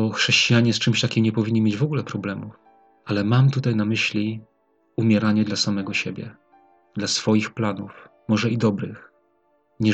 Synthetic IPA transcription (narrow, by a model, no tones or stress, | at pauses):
ɔxʂɛɕt͡ɕijaɲɛst͡ʂɘmɕt̪akʲimɲɛpɔvʲiɲːimʲjed͡ʑvɔɡulɛpɾɔblɛmuf | alɛmamt̪ut̪ajnamɘɕlʲi | umʲjɛɾaɲɛd̪lasamɛɡɔɕebʲjɛ̰ | d̪̥lasfɔjixplanuf | mɔʐɛid̪ɔbɾɘx | ɲɛ